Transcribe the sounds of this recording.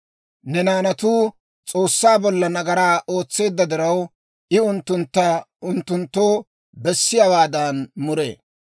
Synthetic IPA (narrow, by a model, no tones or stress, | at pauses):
nɛnaːnɐt̪uː | t͡sʼo̞ːsːaːbɔlːɐnɐɡɐɾaːʔo̞ːt͡sːe̞ːd̪ːɐd̪ɪɾɐw | ʔɪʊnt̪ːʊnt̪ːɐ | ʊnt̪ːʊnt̪ːo̞ː | bɛsːɪjawaːd̪ɐnmʊɾḛː